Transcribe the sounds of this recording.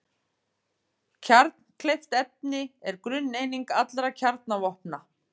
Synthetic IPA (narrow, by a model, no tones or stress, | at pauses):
cʰaɾt̪n̥kʰlejft̪ɛp̚nɪɛɾkɾʏnːejniŋkat̪lɾacʰaɾt̪navɔhpna